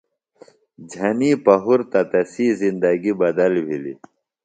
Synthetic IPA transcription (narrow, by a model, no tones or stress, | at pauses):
d͡ʑʱɐniːpɐɦuɾt̪ɐt̪ɐsiːzind̪ɐɡibɐd̪ɐlbʱilḭ